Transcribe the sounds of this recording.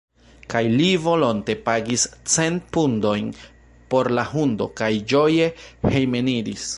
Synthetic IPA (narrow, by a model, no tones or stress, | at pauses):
kajlivo̞lo̞nte̞paɡist͡se̞npundo̞jn | po̞ɾlahundo̞̰kajd͡ʒo̞je̞he̞jme̞niɾis